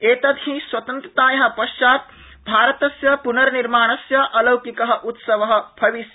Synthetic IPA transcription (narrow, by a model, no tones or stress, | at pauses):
eːt̪ɐd̪ʱɦĩswɐt̪ɐnt̪ɾɐt̪aːjɐɦɐ̃̆pɐʃt͡ʃaːt̪̚ | bʱaːɾɐt̪ɐsjɐpunɐɾniɾmaːɳ̃ɐsjɐʔɐlɐwkikɐɦɐ̆ʔut̪sɐʋɐɦɐ̆bʰɐʋisjɐ